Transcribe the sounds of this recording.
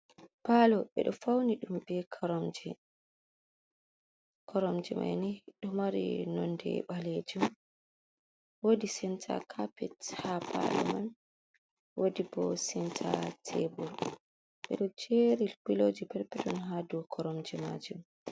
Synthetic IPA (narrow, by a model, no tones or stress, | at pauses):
palɔɓɛ̰ɗɔfawniɗumbɛkʰaɾɔmd͡ʒɛ | kʰɔɾɔmd͡ʒɛma̰jniɗɔmaɾḭnɔndɛ̰ɓaled͡ʒum | wodisɛntʰa̰kʰapɛthapʰa̰lɔ̰man | wodibɔsɛntʰa̰tʰɛbɔl | ɓɛ̰ɗɔd͡ʒeɾilkilod͡ʒipɛɾpɛtɔnɦadukʰɔɾɔmd͡ʒɛma̰d͡ʒum